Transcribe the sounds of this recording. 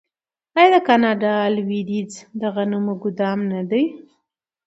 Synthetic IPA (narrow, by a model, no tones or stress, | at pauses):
ɑjɑd̪əkɑnɑɖɑːlwiɾid͡zd̪aɣanumoɡʊd̪ɑmnad̪aj